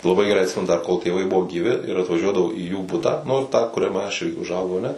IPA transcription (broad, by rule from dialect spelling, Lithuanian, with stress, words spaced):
lˠɐˈbɐɪ ɡʲɛˈrɐɪ ɐtʲˈsʲɪmʲɛnʊ dɐr koːlˠ tʲeːˈʋɐɪ ˈbʊʋoː ɡʲiːˈʋʲɪ ɪr ɐtʋɐˈʒʲuɔdɐʋɐʊ iː juː ˈbʊtɑː nʊ tɑː kʊrʲɛˈmʲɛ ɐʃ ɪ ʊʒˈɐʊɡɐʊ ɐˈnʲɛ